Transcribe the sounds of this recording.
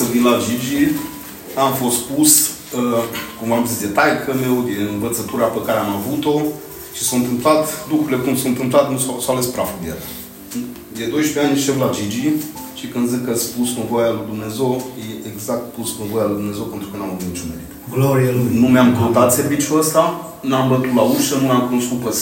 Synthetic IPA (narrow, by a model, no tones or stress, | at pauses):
səvinlad͡ʒid͡ʒi | amfo̞st̪pus | əkumvamzisd̪e̞t̪ajkʰəme̞wd̪eɨnvət̪sət̪uɾapəkaɾeamavut̪o̞ | ʃi̥sawɨnt̪ɨmplat̪lukɾuɾilekumsowɨnt̪ɨmplat̪nussawalespɾafud̪ea̰a | d̪e̞d̪o̞jʃpeanʲʃeflad͡ʒid͡ʒi | ʃikɨnd̪zikəspusnəvo̞jalujd̪umnezewjeʔeɡzak̚t̪pusnəvo̞jaluijd̪umne̞zewpent̪ɾukənaməvut̪nit͡ʃunmeɾit̪ɡloɾielnumeamkəut̪at̪se̞rvit͡ʃjuəst̪a | nuambət̪ut̪lauʃənumeamkunoskupəs